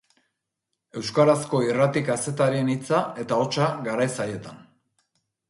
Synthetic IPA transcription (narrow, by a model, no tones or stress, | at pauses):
e̞wskaɾasko̞irat̪ikase̞t̪aɾie̞nit͡sae̞t̪ao̞t͡ʃaɡaɾajsaje̞t̪an